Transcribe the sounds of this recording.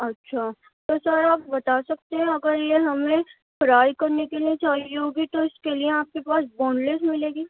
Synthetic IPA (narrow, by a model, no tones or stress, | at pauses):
ɐtːʃʰaː | t̪oːsɐɾaːp̚bɐt̪asɐk̚t̪eɦɛ̃ɐɡəɾjeɦɐmẽ | fɾaːikɐɾnekeliet͡ʃaːɦiɦoːɡit̪oɪskelieaːp̚kepaːsbɔ̃ːnlesmɪleːɡiː